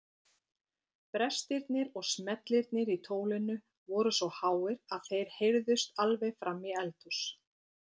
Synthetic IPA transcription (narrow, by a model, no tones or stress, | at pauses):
pɾɛst̪ɪɾt̪nɪɾɔɣsmɛt̪lɪɾt̪nɪɾit̪ʰoːwlɪnʏ | vɔːɾʏsɔhaːwɪɾaðθejɾ̥hejɾðʏst̪alvejfɾamːiɛlt̪us